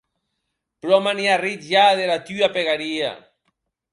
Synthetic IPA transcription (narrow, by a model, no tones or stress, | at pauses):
pɾɔmaniaritʒaðeɾat̪yapeɣaɾia̰